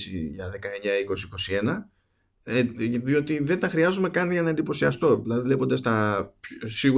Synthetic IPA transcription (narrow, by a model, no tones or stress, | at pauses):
sḭʝɐðe̞kɐe̞ɲɐiko̞siiko̞sie̞nɐ | ðio̞t̪iðe̞nt̪ɐxɾiɐzume̞kɐniʝɐnɐend̪ipo̞siɐst̪o̞ilɐðivle̞pond̪ɐst̪ɐpsiɣu